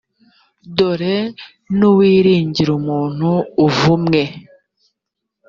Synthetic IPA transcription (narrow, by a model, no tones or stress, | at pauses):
doɾe | nuwiːɾiːɲɟiɾumuːn̥huːvumŋe